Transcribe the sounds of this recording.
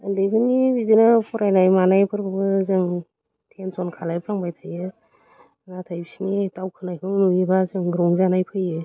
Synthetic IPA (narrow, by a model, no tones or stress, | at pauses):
andɯjbʰɯnibizenapʰɔɾajnajmanajpʰɯɾbɯbɯzɯŋ | tʰensɔnkʰalajpʰɾaŋbajtʰajɯ | natʰajbisinitawkʰɯnajkʰɯŋnuibazɯŋɡɾɔŋzanajpʰɯjɯ